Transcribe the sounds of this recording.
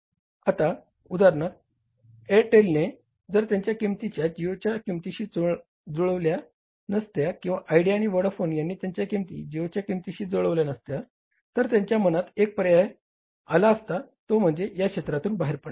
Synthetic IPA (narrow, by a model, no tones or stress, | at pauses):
at̪a | ud̪aɾɳaɾ | eʈelne | d͡zəɾt̪jaɲt͡ɕjakimt̪it͡ɕjad͡ʑiʋt͡ɕjakimt̪iɕiːd͡zo | d͡zoɭəʋlja | nəst̪jakĩw̃ʋaʔajɖiaɽ̃iʋəɽfonjanːiːt̪jaɲt͡ɕjakimt̪ḭːd͡ʑiʋt͡ɕjakimt̪iɕiːd͡zoɭəʋljanəst̪ja | t̪əɾt̪jaɲt͡ɕjam̤ənat̪ek̚pɾəjaj | alaːst̪at̪om̤əɳd͡zejakɕet̪ɾat̪uːnbaɦeɾpəɳ